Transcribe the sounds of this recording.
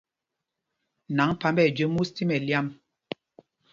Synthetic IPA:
na˨˦ŋpa˨˦mbɛ˦˨d͡ʒə˦mu˦sti˦mɛ˨lja˦m

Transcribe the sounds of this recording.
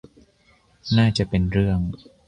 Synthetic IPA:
naː˥˩t͡ɕa˨˩pe˧nɾɯ˥˩əŋ

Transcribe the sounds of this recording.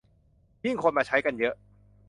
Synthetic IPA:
ji˥˩ŋkʰo˧nmaː˨˩t͡ɕʰa˦˥jka˧njɤ˦˥ʔ

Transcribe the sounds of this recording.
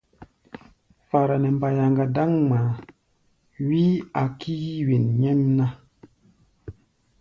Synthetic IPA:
fa˨ɾa˨nɛ˨m˨ba˨ja˨ŋɡa˨da˦ŋma˨ | wi˦a˨ki˦ji˦wi˨nɲɛ˦mna˦

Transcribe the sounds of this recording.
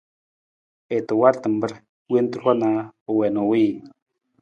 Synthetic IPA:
e˨t̪o˨wa˦ɾt̪ə˨mbə˦ɾ | we˦n˦t̪u˦ɾwa˦na˨o˨wɛ˨no˨wi˦

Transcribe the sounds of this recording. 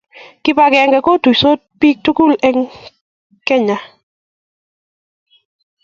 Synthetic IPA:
kɪ˦pa˨kɛ˨ŋɡɛ˨ko˦tu˨so˦t̚pi˦k̚tu˦ku˦lɛ˦ŋ | kɛ˦ɲa˨

